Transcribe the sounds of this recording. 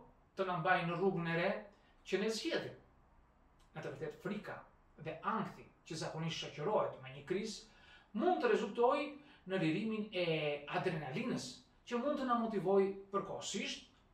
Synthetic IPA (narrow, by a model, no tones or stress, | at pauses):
t̪ənambajnəruɡənɛɾɛ | cənɛzjɛt̪i | nat̪uɾɛlt̪ɛt̪fɾika̰ | ðɛʔaŋkt̪icəzakɔniʃt̪ʃacəɾɔɦɛt̪mɛɲəkɾizmund̪t̪əɾɛzult̪ɔjnəliɾiminɛad̪ɾɛnalinəs | cəmund̪̚t̪ənamɔt̪ivɔjpəɾkɔhsiʃt̪̚